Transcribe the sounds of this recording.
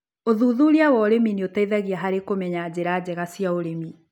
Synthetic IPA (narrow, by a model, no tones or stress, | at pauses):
oðuːðuɾiawɔɾemineotaiðaɣiaɦaɾekomɛɲaːd͡ʑeɾaːd͡ʑɛɣasiaoɾemi